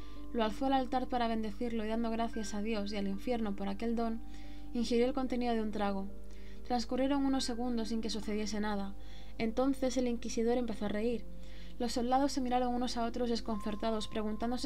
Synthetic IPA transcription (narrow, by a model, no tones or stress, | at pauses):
loalθoalalt̪aɾpaɾaβ̞e̞nd̪e̞θiɾloiðand̪o̞ɣ̞ɾaθjasað̞jo̞sialiɱfje̞ɾno̞po̞ɾake̞ld̪o̞n | iŋxeɾjo̞elko̞nt̪e̞niðo̞ðunt̪ɾaɣ̞o | t̪ɾanskurje̞ɾo̞ŋuno̞sːe̞ɣ̞und̪o̞siŋke̞s̬uθe̞ðje̞s̬e̞nað̞a | e̞nt̪o̞n̟θe̞se̞liŋkisiðo̞ɾe̞mpe̞θo̞are̞iɾ | lo̞sːo̞ld̪aðo̞sːe̞miɾaɾo̞ŋuno̞sao̞t̪ɾo̞zðe̞sko̞n̟θe̞ɾt̪að̞o̞spɾe̞ɣ̞unt̪and̪o̞s